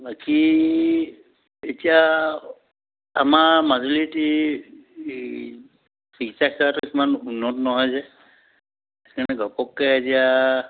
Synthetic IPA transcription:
baki | etija | a̰mamaziliti | bikitakʰɛwatuekmanunːɔtnɔɦɔjzɛ | ɛkanɛɡɔpɔkːɛetija

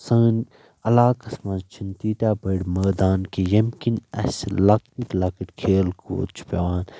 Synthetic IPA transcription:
sɐːn | ɐlaːkɐsmɐ̃nt͡ʃʰint̪iːʈaːbɐɽʲmɐːd̪aːnkijɐmkinɐ̰slɐknitlɐkiʈkʰeːlkʰo̰ːt͡ʃʰpʲɐwaːn

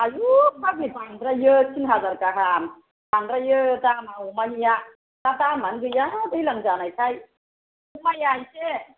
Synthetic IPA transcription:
ajukabibaŋd̪ɾajəsʰinɦazaɾkaɦam | baŋɾajət̪amaumaɦija | t̪at̪amanɡɯjat̪ɯjlaŋd͡ʒanajsʰaj | umajajse

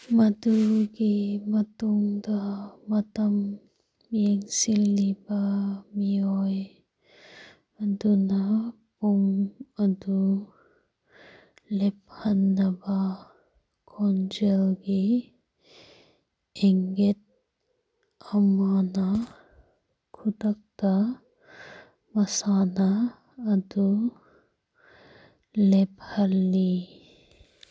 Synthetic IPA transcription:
mɐd̪uɡimɐt̪uŋd̪amɐt̪ɐm | jeŋsilːibamiɔj | duna | pumad̪u | lep̚hɐnːɐba | kʰond͡ʒelɡe | eŋɡet̪̚ | ɐmaːna | kʰut̪ɐk̚t̪a | mɐsaːnaː | d̪u | lephɐlːi

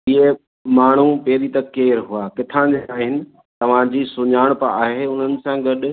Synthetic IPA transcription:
ɪɦe | maːɳ̤upeːɾit̪ɐkeːɾɦuakɪt̪ʰãd͡ʑeaːɦɪnɪ̆ | t̪ɐʋ̤ãd͡ʑiːsʊɲaːɽ̃pɐaːɦeʊn̤ənɪ̆sãɡɐɗ̆

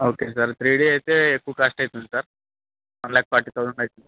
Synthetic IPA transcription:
oːkesɐɾt̪ɾiːɽiajt̪eekːuːkaʂʈajt̪und̪isɐɾ | ʋɐnlaːk̚paɾʈit̪ad̪uɳajt̪uni

